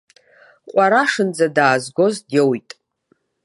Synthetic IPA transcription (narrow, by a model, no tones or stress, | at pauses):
qʷʼaɾaʂɨnd͡zadaːzɡʷo̞zdjewjtʼ